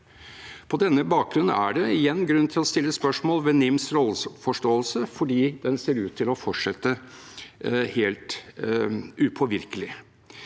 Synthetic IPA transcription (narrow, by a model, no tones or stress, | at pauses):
pʰɔd̪ɛnːəbɑːk̚ɡɾʉnːəæ̰ɖɛɪjɛnːɡɾʉnːət̪ʰɪlɔst̪ɪlːəspœʂmoːlʋɛnɪmsɾolsfɔʂʈoːəlsəfɔɖiːd̪ɛnseːɾʉːt̪ʰːɪlɔfɔʈʂɛt̪ːə | heːlt̪ | ʉpʰɔʋɪɾkəlɪ